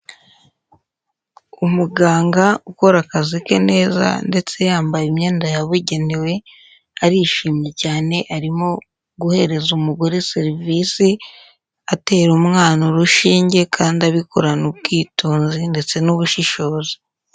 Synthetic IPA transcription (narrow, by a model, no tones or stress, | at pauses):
umuɡaːŋɡauko̞ɾakazike̞ne̞ːza̰nde̞t͡se̞jaːmbajimɲe̞ːndajaβuɟe̞niwe̞ | aɾiʃiːmje̞caːne̞ʔaɾimo̞ | ɡuhe̞ɾe̞zumuɡo̞ɾeseɾivisi | ate̞ːɾumŋaːnoɾuʃiːɲɟe̞kʰaːndaβikoɾanub̚ɡiːtuːnzinde̞t͡se̞nuβuʃiʃo̞ːzi̥